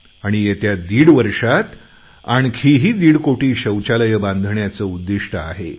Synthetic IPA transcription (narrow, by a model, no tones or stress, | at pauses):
aɽ̃ijet̪jad̪iːɽʋəɾʂat̪ | aɳkʰiɦiːd̪iːɽkoʈiːɕəwt͡ɕaləjəbãnd̪ʱɳjat͡səud̪ːiʂʈəaɦe